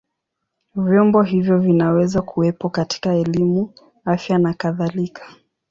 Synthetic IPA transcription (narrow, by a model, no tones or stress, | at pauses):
vjɔmbɔɦivjɔvinawɛzakʰuwɛpɔkati̥kaɛlimu | afjanakaðalikʰḁ